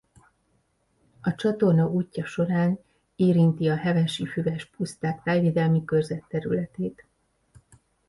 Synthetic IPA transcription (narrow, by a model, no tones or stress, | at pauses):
ɒt͡ʃɒt̪o̞rnɒʔuːcːɒʃo̞ɾaːn | eːɾint̪iɒɦɛvɛʃifyvɛʃpust̪aːkfɛlveːd̪ɛlmikørzɛt̪ːɛɾylɛt̪eːt̪